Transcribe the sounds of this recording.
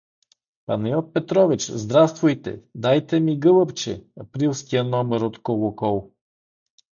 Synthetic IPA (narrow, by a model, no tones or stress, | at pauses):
pa̰nɛjɔt̪̚pɛt̪ɾɔvit͡ʃzd̪ɾafst̪vʊjt̪ɛ̰d̪ajt̪ɛmiɡɤlˠəpt͡ʃɛ̰ɐpɾilˠskijənɔmɛɾot̪kolˠokɔlˠ